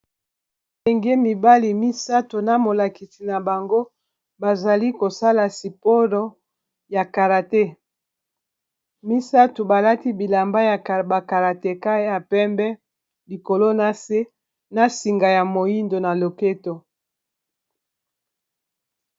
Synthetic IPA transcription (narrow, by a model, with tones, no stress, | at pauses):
e˨ŋɡe˦mi˨ba˦li˨mi˦sa˦to˨na˨mo˨la˨ki˨si˨na˨ba˨ŋɡo˦ | ba˨za˨li˦ko˨sa˦la˨si˨po˦lo˨ | ja˨ka˨ʁa˨te˦ | mi˦sa˦to˨ba˨la˦ti˦bi˨la˨mba˦ja˨ba˨ka˨ʁa˨te˨ka˦ja˨pɛ˦mbɛ˦ | li˨ko˨lo˦na˨se˦ | na˨si˨ŋɡa˨ja˨mo˨ji˦ndo˨na˨lo˨ke˦to˨